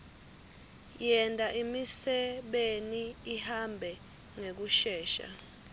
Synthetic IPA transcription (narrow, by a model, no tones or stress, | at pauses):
jɛntʼaʔimisɛɓeniːhambʱɛ | ŋek̬uʃɛːʃa̰